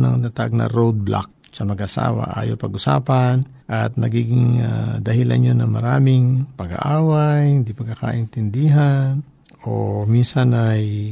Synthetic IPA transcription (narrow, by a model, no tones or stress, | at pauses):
nɐŋt̪at̪aɡ̚nɐ̰ɾod̪̚blʔa̰k̚ | sɐmɐɡʔɐsa̰ːwɐ̰ʔa̰ːjopɐɡʔʊsa̰ːpɐn | ʔɐt̪̚nɐɡiːɡɪŋad̪ɐhɪla̰njonɐŋmɐɾaːmɪŋpɐɡa̰ʔaːwajɪnd̪ipɐɡkːaka̰ʔɪnt̪ɪnd̪ɪɦan | ominsanʔaj